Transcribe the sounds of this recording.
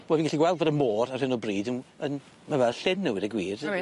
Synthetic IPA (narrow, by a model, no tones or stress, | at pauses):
bɛvinɡaɬiɡwɛlˠdvɔdənmoːɾar̥hɪnɔbriːdənən | mavɛlɬɪnːuwɪdəɡwiːr